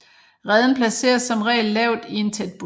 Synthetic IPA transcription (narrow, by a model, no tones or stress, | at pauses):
ʁɛð̞ˠn̩pʰlæse̝̰ːɐsɒ̽mʁɛ̰ːlːɛʊ̰d̥ie̝nt͡sʰed̥̚b̥u